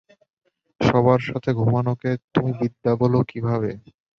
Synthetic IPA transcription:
ʃɔβaɾʃat̪ʰeɡʱumanoket̪umibid̪ːabolokibʱaβe

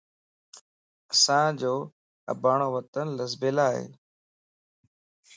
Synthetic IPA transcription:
əsãːd͡ʑoː | ə̰baːɳoːʋət̪ənləsbeːlaːɦḛː

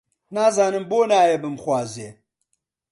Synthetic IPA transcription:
naːzaːnɨmboːnaːjebɨmxwaːzeː

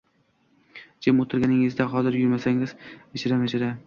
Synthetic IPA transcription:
d͡ʒʰɪmot̪ʰɪɾɡʲanɪŋɪzd̪aɦɒzɪɾjʊɾmasaŋɪzet͡ʃʰɪɾamat͡ʃʰɪɾa

